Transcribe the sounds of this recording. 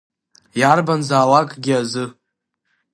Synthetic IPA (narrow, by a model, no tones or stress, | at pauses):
jarbanzaːlakʼɡʲɪazɨ